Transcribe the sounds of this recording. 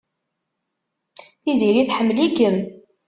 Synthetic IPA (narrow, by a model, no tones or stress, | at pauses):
θiziɾiθħəmːlikəm